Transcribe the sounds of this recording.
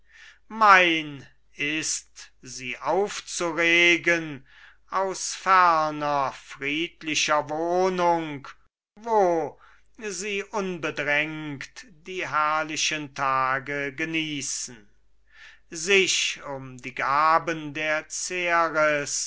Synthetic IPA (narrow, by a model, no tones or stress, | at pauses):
maɪn | ɪstziːʔaʊft͡suʁeːɡən | aʊsfæʁnɐfʁiːtlɪʃɐvoːnʊŋk | voː | ziːʔʊnbədʁɛŋktd̥iːɦæɐlɪʃəntʰaːɡəɡəniːsn̩ | zɪʃʊmdiːɡaːbəndeːɐt͡seʁəs